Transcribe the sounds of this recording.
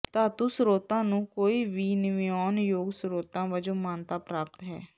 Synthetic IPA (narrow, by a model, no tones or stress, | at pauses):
t̪aːt̪uːsʊɾoːt̪ãːnũːkoːiːʋiːnɪʋiɔːnjoːɡsɾoːt̪ãːʋəd͡ʒõːmaːnt̪aːpɾaːp̚t̪ɦɛ̰ː